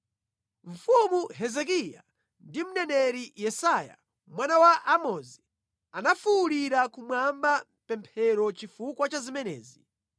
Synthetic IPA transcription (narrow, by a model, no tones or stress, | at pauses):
ɱ̩fumuɦɛzɛk̬ija̰ | ndim̩nɛnɛɾijɛsaja̰ | mwanawaʔamɔzi | anafuːɾiɾakumwamba | pɛmpʰɛɾɔt͡ʃifukwat͡ʃazimɛnɛ̰ːzi